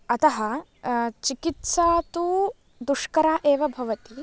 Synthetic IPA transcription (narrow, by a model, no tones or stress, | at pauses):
ɐt̪ɐɦɐ | t͡ʃikit̪saːt̪u | d̪uʂkɐɾaːʔeːʋɐbʱɐʋɐt̪i